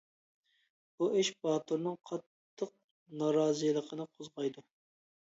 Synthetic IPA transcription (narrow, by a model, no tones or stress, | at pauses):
b̥uɪʃbɑːt̪uɾnɨŋqʰɑt̪ːəq̚ | nɑɾɑːzɨjlˠəqʰənɨqʰʊzʁɑjd̪u